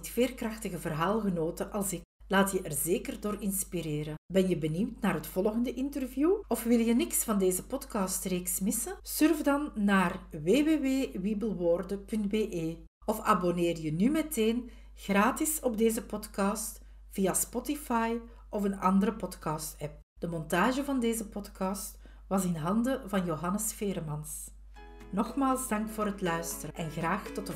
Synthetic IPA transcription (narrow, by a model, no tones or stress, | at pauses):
tfeːrkrɑxtəɣəvərɦaːlˠɣənoːtəʔɑlˠsɪk | laːtjəʔɛrzeːkərdoːrɪnspiɾeːɾəbɛnjəbənymtnaːrɦətfɔlˠɣəndəʔɪntərvjuɔfʋɪlˠjənɪksfɑndeːzəpɔtkɑstreːksmɪsəsʏrvdɑnːaːrʋeːʋeːweːwibəlˠwoːrdəpɵntbeːʔeː | ɔfaboneːrjənymɛteːn | ɣraːtɪsɔbdeːzəpɔtkɑːst | v̥ijaspɔtifɑj | ʔɔfənɑ̰ndəɾəpɔtkɑːstɛp̚ | d̥əmɔntaːʒəvɑndeːzəpɔtkɑːst | ʋɑsɪnɦɑndəvɑnjoːɦɑnəsfeːɾmɑns | nɔxmaːlˠzdɑŋkfoːrɾɦətlœɥstəɾəʔɛnɣraːxtɔtə